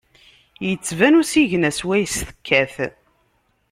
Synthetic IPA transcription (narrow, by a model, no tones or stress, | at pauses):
jət͡sːvænusiʝnæswæjsθə̥kʰːæθ